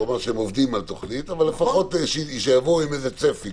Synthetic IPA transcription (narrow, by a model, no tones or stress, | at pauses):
omaʁʃeemovd̪imalt̪oχnit̪avalːefaχo̞t̪ʃiʃejavoimejzet͡sefi